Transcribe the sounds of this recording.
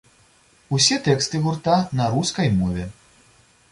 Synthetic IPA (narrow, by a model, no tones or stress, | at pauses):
usʲɛt̪ɛkst̪ɨɣurt̪anɐɾuskɐjmɔvʲɛ